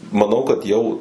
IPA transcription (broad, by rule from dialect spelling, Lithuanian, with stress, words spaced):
mɐˈnɐʊ kɐt ˈjɛʊ